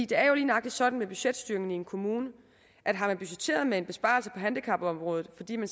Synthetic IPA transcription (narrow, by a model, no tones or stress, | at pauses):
ḭːd̥e̝æɐjo̝liːn̩ɑ̈ɡ̥d̥id̥sɒ̽d̥n̩meb̥yɕed̥sd̥yːɐeŋn̩ie̝nkʰo̝muːnə | ʔæd̥ɦɑ̈mænb̥yɕe̥t͡sʰe̝̰ːɐð̞ˠmee̝nb̥e̝sb̥ɑ̈ːl̩səpʰɒ̽ɦænd̥ikʰɑ̈b̥ɒ̽mʁɔ̽ːð̞ð̩ˠfɒ̽d̥ḭːmæn